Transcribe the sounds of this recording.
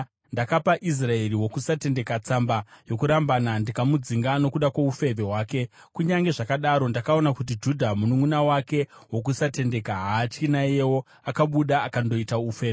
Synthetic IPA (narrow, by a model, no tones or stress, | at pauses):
ndakapaʔis̬rae̞riwo̞kusate̞nde̞kat͡sambajo̞kuɾambanandikamud͡ziŋɡano̞kuɗakwaufeve̞ɦwaːke̞ | kuɲaŋɡe̞ʐakaɗaɾo̞ndakao̞nakut̬id͡ʒudʱamunuŋunawake̞wo̞k̬usate̞nde̞kaɦaːt͡ʃinajewo̞ | akaɓuɗaːkando̞itaufe̞ːe